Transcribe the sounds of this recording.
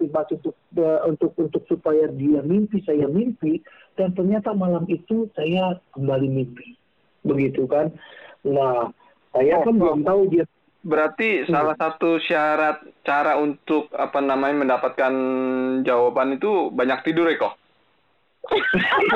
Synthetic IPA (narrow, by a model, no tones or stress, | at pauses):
tibasunt̪ʊk̚əunt̪ʊk̚unt̪ʊk̚supajadiamimpisajamimpi | d̥ant̪ərɲat̪amalamit̪usajakəmbalimimpi | bəɡit̪ukanna | sajakanbulaŋt̪audia | bəɾart̪isalasat̪usiaɾat̪̚t͡ʃaɾaunt̪ʊk̚apanamaɲaməndapat̪̚kand͡ʒawapanit̪ubaɲak̚t̪idʊɾɛk̪ɔh